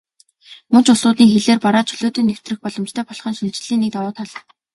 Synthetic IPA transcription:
mɵnt͡ɕʊsʊːt̪niːŋxeɮeːrpaɾaːt͡ɕʰɵɮoːt̪eːnew̥t̪rɘ̆xpɔɮɞ̆mt͡ɕt̪ʰœːpɔɮχɞ̆nʃint͡ɕɪ̆ɮiːnːek̚t̪awʊːt̪ʰɔɮɞ̆

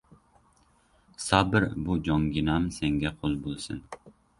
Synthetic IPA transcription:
sɑːbɪɾbud͡ʒɒŋɡʲinɑmseŋɡʲɛqʰolˠbolˠsɨ̰n

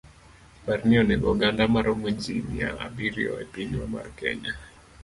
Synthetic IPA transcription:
paɾniɔnɛɡɔɡandamaɾɔmweɲd͡ʒimija̰a̰biɾiɔ̰ɛpiniwama̰rkɛ̰ɲa

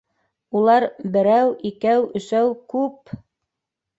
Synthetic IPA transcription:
ulˠɑɾbɘ̆ɾæwikæwɵ̆ʃæwkʉp̚

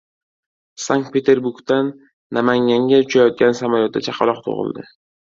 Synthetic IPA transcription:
saŋk̚t̪̚pʰe̞t̪ʰe̞ɾbuɾɡt̪anː | amaŋʲaŋɡʲaʊt͡ʃʰajɒt̪̚ɡʲansamaljot̪ːat͡ʃʰɑqʰɑlˠɒq̚t̪ʰo̰ʁɨ̰lˠd̪ɪ

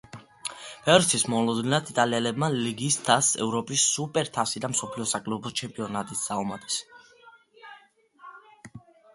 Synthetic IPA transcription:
pʰɛvɾɛtsʰismɔlɔd̪ninat̪it̪ʼaliɛlɛb̚maliɡist̪ʰasɛ̰vɾɔpʼisːupʼɛɾt̪ʰasid̪amsɔpʰliɔsakʼlubɔt͡ʃʰɛmpʼiɔnat̪ʼit̪ʰsaɔmad̪ʰʼɛ̥s

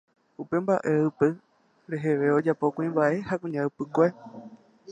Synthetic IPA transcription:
upe̞mbaʔe̞ɨpɨ | ɾe̞ɦe̞ʋe̞o̞d͡ʒapo̞kʷĩmbaʔe̞hakũɲãɨpɨkʷe

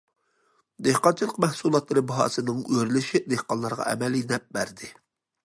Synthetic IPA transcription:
d̪ehqɑnt͡ʃʰilˠəqmɛhsulˠɑt̪lˠɨɾɨbɑɦɑ̰ːsɨnɨŋøɾlɪʃid̪ehqɑnlˠɑɾʁɑ̰ʔɛ̰mɛlinɛp̚bæɾd̪ɪ

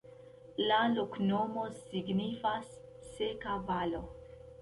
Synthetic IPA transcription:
laloknomo̞siɡnifasː | ekavalo

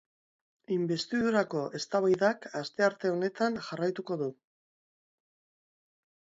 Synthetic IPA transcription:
imbe̞st̪iðuɾako̞ʔe̞st̪aβajðakast̪e̞aɾt̪e̞o̞ne̞t̪anʝarajt̪uko̞ðu

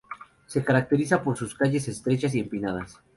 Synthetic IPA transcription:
se̞kaɾak̚t̪e̞ɾisapo̞ɾsuskaʝe̞se̞st̪ɾe̞t͡ʃas̬iempinað̞as

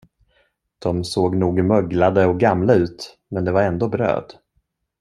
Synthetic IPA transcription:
d̪̥ɔmsoːɡnuːɡmœɡlad̪əɔɡamlaʉ̟ːt̪ | mɛnd̪ɛvaɾɛnd̪oːbɾø̰ːd̪

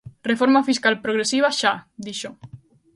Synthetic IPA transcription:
refoɾmafiskalpɾoɣɾesiβ̞aʃad̪iʃo

